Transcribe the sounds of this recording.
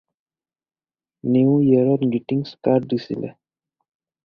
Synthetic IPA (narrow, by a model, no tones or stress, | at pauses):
niũjeɾoɾɡiʈiŋɡskaɾd̪isḭlḛ